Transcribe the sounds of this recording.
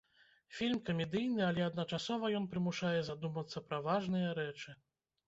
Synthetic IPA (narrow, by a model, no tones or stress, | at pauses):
fʲilʲmkɐmʲɛd̪ɨjnɨalʲɛɐd̪nɐt͡ʂasɔvɐjɔnpɾɨmuʂajɛzad̪umɐt̪sːɐpɾɐvaʐnɨjɐɾɛt͡ʂɨ